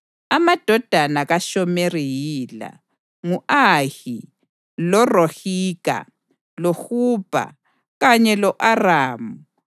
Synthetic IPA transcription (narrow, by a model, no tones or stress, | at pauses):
amad̥ʱɔd̥ʱanaɣaʃɔmerijiːla̰ | ŋuʔahi | lɔrohiːɣa̰ | loxuːb̥ʱa̰ | ɣaɲɛlɔʔaraːmu